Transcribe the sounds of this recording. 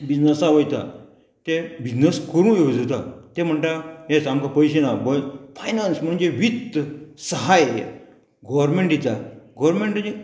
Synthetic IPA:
bid͡znəsaʋəjt̪a̰ | t̪ebid͡znəskəɾũːjod͡zt̪at̪em̤əɳʈ̪ajet͡samkapəjɕ̬enabəfʰajnansm̤əɳd͡ʑeʋit̪ːsəɦaj | ɡɔʋɾmeɳʈit͡saɡɔʋɾmẽɳʈe

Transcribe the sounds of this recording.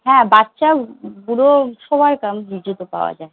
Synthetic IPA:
ɦɛ̃batːʃabuɾoʃobʱaɾkamɦid͡ʑut̪opa̰oa̰d͡ʑae

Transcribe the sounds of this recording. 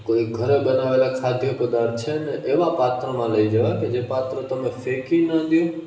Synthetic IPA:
koiɡʱəɾebənaʋelakʰad̪ʱjəkʊd̪aɾt͡ʃʰeneʔeʋapat̪ɾəmãləid͡ʒəʋaked͡ʒepat̪ɾət̪əmẽfekinəd̪jũ

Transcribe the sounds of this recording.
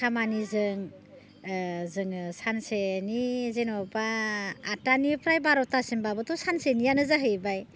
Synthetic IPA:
kʰamanizɯŋ | zɯŋsansenizenɔbaː | tanipʰɾajbaɾɔtasinbabɯtɔsansenijanɯzaɦɯjbaj

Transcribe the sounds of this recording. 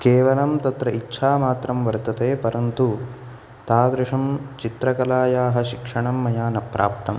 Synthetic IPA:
keːʋɐlɐmt̪ɐt̪ɾɐitːʃʰaːmaːt̪ɾɐmʋɐɾt̪ɐt̪eːpɐɾɐnt̪u | t̪aːd̪ɾuʂɐmt͡ʃit̪ɾɐkɐlaːjaːɦɐ̆ʃikʂɐɳɐmːɐjaːnɐpɾʔa̰ːp̚t̪ɐm

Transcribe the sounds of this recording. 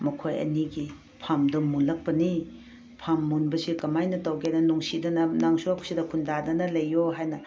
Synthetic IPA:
mɐkʰojɐ̰niɡi | pʰamdɐmulɐk̚pɐni | pʰamːunbɐsikɐmajnɐtɐwɡenɐnuŋsidɐnɐnaŋsuakʰu̥sidɐkʰundadɐnɐlɐjːoɦajnɐ

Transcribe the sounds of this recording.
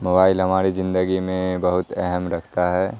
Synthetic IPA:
moːbaːɪlɦɐmaːɾizɪ̃nd̪əɡimẽbɐɦʊt̪ɛɦəmɾɐkʰt̪aɦɛː

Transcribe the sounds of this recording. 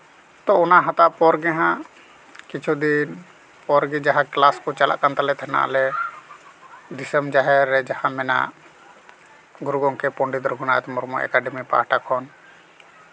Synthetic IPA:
t̪ɔɔnaʔɦat̪apɔɾɡɛɦã | kit͡ʃʰud̪in | pɔɾɡid͡ʒaɦãklaskɔt͡ʃala̰ʔkant̪alɛt̪ʰɛɦɛna̰ʔlɛ | d̪isəmd͡ʒaɦɛɾːɛd͡ʒahãmɛna̰ʔ | ɡuɾuɡɔŋkɛpɔɳɖid̪ɾɔɡʱunaʔɛt̪ɛmɔɾmɔʔɛ̰kaɖɛmipa̰aʈakʰɔn

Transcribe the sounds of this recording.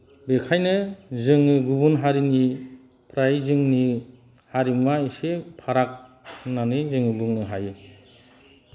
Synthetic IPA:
bekʰajnɯzɯŋiɡubunɦaɾini | pʰɾajzɯŋni | haɾimwaisepʰaɾak̚ | nanɯzɯŋibɯŋnɯɦajɯ

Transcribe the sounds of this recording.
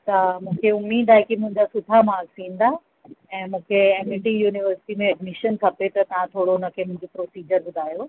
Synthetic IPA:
t̪ɐmũːkʰeʊmːiːd̪aːɦekimʊ̃ɦɪ̃ɲd͡ʑasʊt̪ʰamaːksĩːn̆d̪a | ɛ̃ːmũːkʰeeːmɪʈijuːniʋəɾsɪ̥ʈimẽɐɖmiʃənk̪ʰɐpet̪ɐt̪ɐʋ̤ãt̪ʰoːɽoʊnə̆kʰemʊ̃ɦɪ̃ɲd͡ʑopɾoːsiːd͡ʑəɾɓʊd̪ʱaːjo

